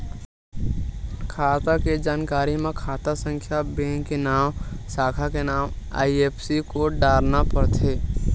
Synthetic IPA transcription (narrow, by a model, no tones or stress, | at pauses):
kʰaːt̪aked͡ʒaːnkaːɾimẽkʰaːt̪asə̃ŋkʰjabẽːŋkːenaːmsaːkʰakenaːma̰ːieːpʰsikoɖaːɾnapəɾt̪ʰeː